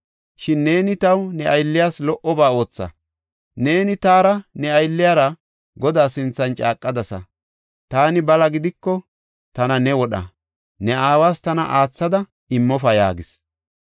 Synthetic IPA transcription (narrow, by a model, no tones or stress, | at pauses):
ʃɪnːe̞ːnɪt̪ɐwnɛʔɐjlːɪjaːslɔʔɔbaːo̞ːt͡sːɐ̰ | ne̞ːnɪt̪aːɾɐnɛɐjlːɪjaɾɐ | ɡɔd̪aːsɪnt͡sːɐnt͡ʃʼaːkʼːɐd̪ɐsɐ̰ | t̪aːnɪbɐlɐɡɪd̪ɪkːɔ | t̪ɐnɐnɛwɔɗɐ̰ | nɛaːwaːst̪ɐnɐ̰ʔaːt͡sːɐd̪ɐ | ɪmːɔfɐja̰ːɡɪs